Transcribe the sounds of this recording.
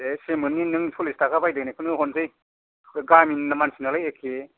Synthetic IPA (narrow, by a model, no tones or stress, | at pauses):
esemɯninɯŋsʰulistʰakʰabajdɯnekʰɯnɯhɔnzɯj | ɡaminːamansinalajekʰːe